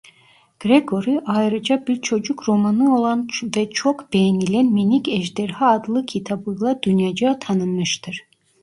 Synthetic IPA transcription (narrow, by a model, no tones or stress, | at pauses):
ɡ̥ɾeɡo̞ɾiʔajɾɯd͡ʒabiɾt͡ʃʰo̞d͡ʒukɾo̞manɯo̞lˠanvɛt͡ʃʰokb̥ejɛnilʲænminicɛʒd̪ɛɾhaːd̪lˠɯkʰit̪ʰabɯjlˠad̪ynjad͡ʒat̪ʰanɯmɯʃt̪ʰɯɾ̥